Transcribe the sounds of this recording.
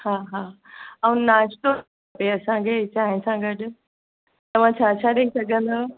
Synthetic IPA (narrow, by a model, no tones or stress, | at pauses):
haːɦaː | ɐũnaːʃʈ̪o | peɐsãkʰet͡ɕaːɦɪ̃sãɡɐɗʊ̆ | t̪ɐʋ̤ãt͡ɕʰaːt͡ɕʰaɗɐisɐɡʱə̃nd̪oː